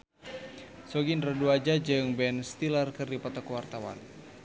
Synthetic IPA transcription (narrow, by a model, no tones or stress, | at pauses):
sɔɡinraduad͡ʒad͡ʒɨŋbɛnst̪ilərkɨrdipɔt̪ɔkwart̪awa̰n